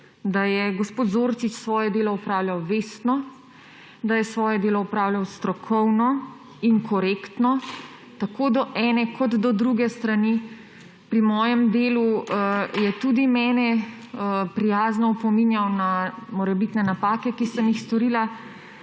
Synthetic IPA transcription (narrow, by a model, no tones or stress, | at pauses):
d̪ajɛɡospoːt̪zoɾt͡ʃit͡ʃsʋɔːjɛd̪eːlɔupɾaːwlʲjawʋeːst̪nɔ | d̪ajɛsʋɔːjɛd̪eːlɔupɾaːwljawst̪ɾɔkʰɔwnɔ | iŋkɔɾekt̪nɔ | t̪akod̪ɔʔɛnɛkʰɔd̪d̪ɔd̪ɾuɡɛst̪ɾani | pɾimɔːjɛmd̪eːlu | jɛt̪ud̪imɛːnɛ | pɾijaːznɔpɔminjawnamɔɾɛbit̪nɛnapaːkɛkisəmjixst̪ɔɾiːla